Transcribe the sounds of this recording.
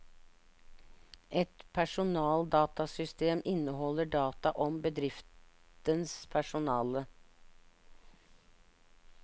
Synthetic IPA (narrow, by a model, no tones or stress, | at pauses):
ʔɛt̪pʰæʂʊnɑːld̪ɑːt̪ɑsʏst̪eːmɪnəhɔləɖɑːt̪ɑʔɔmbəd̪ɾɪft̪ | ənspʰæʂʊnɑːlə